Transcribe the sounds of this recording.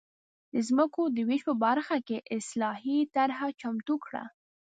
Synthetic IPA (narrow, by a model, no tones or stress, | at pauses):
d̪əzməkod̪əwiʃpəbaɾxakeʔɪslɑɦit̪aɾɦat͡ʃamt̪ukɽa̰